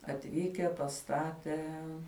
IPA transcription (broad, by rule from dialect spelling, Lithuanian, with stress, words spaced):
ɐtʲˈʋʲiːkʲɛ pɐˈstɑːtʲeː